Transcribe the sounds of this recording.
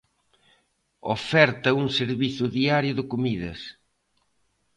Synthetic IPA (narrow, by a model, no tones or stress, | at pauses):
o̰fɛɾt̪ɐuŋseɾβiθʊðiaɾjʊðɪkomiðɐ̰s